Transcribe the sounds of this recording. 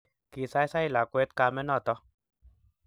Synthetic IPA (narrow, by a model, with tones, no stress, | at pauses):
ki˨sa˦jsa˦ila˨kue˦t̪ka˧mɛ˦nɔ˦˨t̪ɔ˦